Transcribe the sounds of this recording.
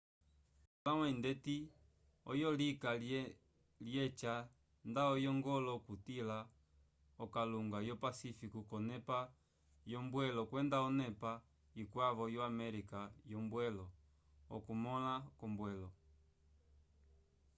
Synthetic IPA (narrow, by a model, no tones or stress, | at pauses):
ulawɛindɛti | ɔ̰jɔlika | ljɛt͡ʃa | ndaɔjɔŋɡɔlɔkutila | ɔkaluŋɡajɔpasifikukɔnɛpa | jɔmbwɛlɔkwɛndaɔnɛpa | ikwavɔjɔamɛɾikajɔmbwɛlɔ | ɔ̰kumɔlakɔmbwɛlɔ